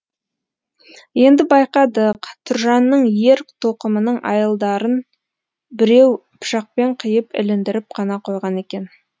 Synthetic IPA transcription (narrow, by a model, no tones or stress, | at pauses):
je̞nd̪ɪbɑjqɑd̪əqt̪ʰʊɾʒɑnːəɴje̞ɾt̪ʰoqəmənəɴʔɑ̰jəlˠd̪ɑɾən | bɪɾe̞wpʰʊ̥ʃɑq̚pe̞ɴqʰəjəpɪ̰lɪnd̪ɪɾɪp̚qʰɑnɑqʰo̞jʁɑne̞kʲe̞n